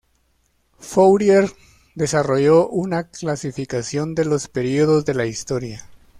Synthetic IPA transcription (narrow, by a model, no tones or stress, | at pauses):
fowɾjeɾ | d̪e̞saro̞ʝo̞ʔunaklasifikasjo̞nd̪e̞lo̞spe̞ɾio̞ðo̞zðe̞laist̪o̞ɾja